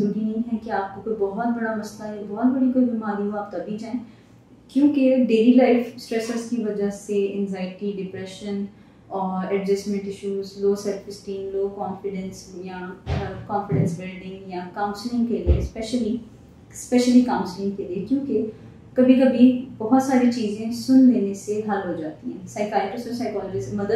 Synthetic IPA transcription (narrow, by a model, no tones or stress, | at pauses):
ɾuːɾinɐ̃ɦĩɦɛkeaːp̚kokoibɔɦɔt̪̚bɐɽamɐst̪aɦɛbɔɦɔt̪bɐɽikoːibɪmaːɾiʋoaːp̚t̪ɐbʱid͡ʒaːẽ | kjõːkeɖeːlilaːɪfsʈɾɛsəɾskiʋɐd͡ʒaɦseɪ̰̃nzaːɪʈiɖɪpɾɛʃən | ɔːɾɛɖd͡ʒɐsʈmɛ̃ɳʈɪʃuːzloːsɛɾfɪsʈĩːnloːkɔːnfɪɖə̃nsjakɔ̃ːnfɪɖɛ̃nsbɪlɖɪ̃ŋɡjakaːmsɪlɪ̃ŋɡkeliespɛʃəli | spɛʃəlikãːʊ̃nsɪlɪ̃ŋkeliekjõːke | kɐbʱikɐbʱibɐɦʊt̪saːɾit͡ʃiːzẽsʊnd̪eːneseɦɐlɦod͡ʒaːt̪iɦɛ̃ːsaːɪkaːlɪʈɪsɔsaɪkɔːlɔd͡ʒisemɐd̪ə